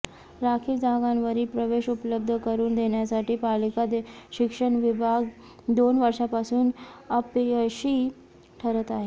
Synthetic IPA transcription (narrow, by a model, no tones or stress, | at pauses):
ɾakʰild͡zãɡanʋəɾiːpɾəʋeɕupləb̚d̪ʱəkəɾuːnd̪eɳjasaʈiːpalikad̪ɕikʂəɳʋibʱaɡ | d̪onʋəɾʂapasuːnəpəɕiː | ʈʰəɾət̪aɦe